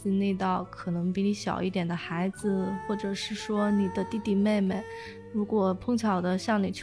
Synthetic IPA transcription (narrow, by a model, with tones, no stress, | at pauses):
i˥˧ne˥˧ɪt̪ɑ˥˩ʊkʰɤ˨˩nɤ˧˥ŋpi˧˥ni˧˥ɕjɑ̰˨˩ʊi˥˩t̪jɛ˨˩nd̪ə˦xa˧˥ɪd͡zɹ̩˧xwɔ˥˩ʈ͡ʂɤ˨˩ʂɻ̩˥˩ʂwɔ˥ni˨˩d̪ə˦t̪i˥˧t̪i˥˩me˥˩ɪme˥˩ɪ | ɻu˧˥kwɔ˨˩pʰʊ˥ŋt͡ɕʰjɑ˨˩ʊd̪ə˦ɕjɑ˥˩ŋni˨˩t͡ɕʰ